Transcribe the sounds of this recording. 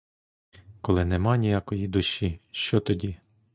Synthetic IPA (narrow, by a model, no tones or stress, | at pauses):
kɔlˠɪnɛmɑnʲijakɔjid̪ʊʃiʃt͡ʃɔt̪ɔdʲi